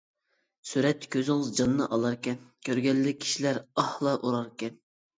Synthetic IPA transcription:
syɾɛt̪ʰːkʲʰøzɪŋɨzd͡ʒɑnːɨ̰ʔɑlˠɑɾkʲɛnkʲʰøɾɡʲɛlːɪkʲʰi̥ʃilæɾɑhlˠɑʔoɾɑɾkʲɛn

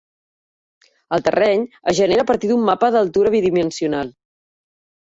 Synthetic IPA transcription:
əlˠt̪ə̰rɛɲəʒəneɾəːpəɾt̪iðumːapəðəlˠt̪uɾəβiðimənsiunalˠ

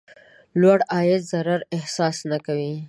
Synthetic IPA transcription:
lwaɽɑjɪd̪zaɾaɾɪhsɑsnakawi

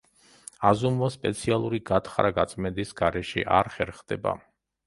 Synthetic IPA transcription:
azumvaspʼɛt̪sʰialˠuɾiɡat̪ʰχɾaɡat̪sʼmɛd̪isɡ̥aɾɛʃɛ̰ʔaɾχɛɾχd̪ɛba̰

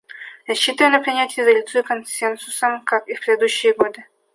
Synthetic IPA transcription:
ɾɐsʲɕːit̪əjɪnɐpɾʲɪnʲætʲɪjɪzɐlʲut̪sujɪkonsʲensʊsəmkakifpɾʲɪd̪ed̪uɕːɪjəɡod̪ɨ

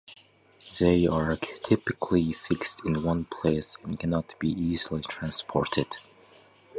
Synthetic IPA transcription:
ðeɪə˞tʰɪpɨkʰlifɪkstʰɪ̃nwʌ̃npʰl̥eɪsɛ̃nkʰænɑtb̥iʔizl̩ˠitʰɹ̥æ̃nspʰɔɹtʰɪd̥

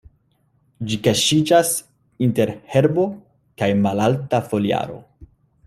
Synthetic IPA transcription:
d͡ʒikaʃid͡ʒas | inte̞ɾhe̞ɾbo̞ | kajmalaltafo̞lia̰ɾo̞̰

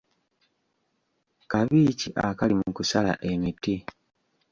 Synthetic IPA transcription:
kaβiːciʔakalimukusala̰ʔe̞miti

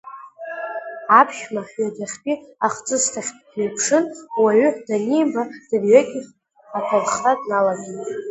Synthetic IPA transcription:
apʰʃmaħɥadaχʲpʼiaχt͡sʼɨstʰaχʲtʼnejpʰʂɨnwaɥʏdanejbad̥ɨrɥaɡʲi | ħatʰalχtadnalaɡant

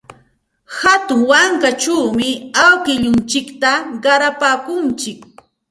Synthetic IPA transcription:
hat̪ʊŋwaŋkat͡ʃuːmɪawkɪʎʊnt͡ʃɪkt̪aɢɑɾapaːkʊnt͡ʃɪk

